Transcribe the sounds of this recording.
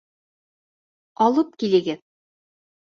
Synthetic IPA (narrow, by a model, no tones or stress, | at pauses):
ɑlˠɤp̚kilɘ̆ɡɘð